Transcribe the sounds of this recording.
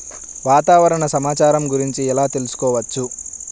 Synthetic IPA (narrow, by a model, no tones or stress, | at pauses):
ʋaːt̪aːʋɐɾɐɳɐsɐmaːt͡ʃaːɾɐmɡuɾiɲt͡ʃiɛlaːt̪e̞lusu̥kɔːʋɐt͡ʃːu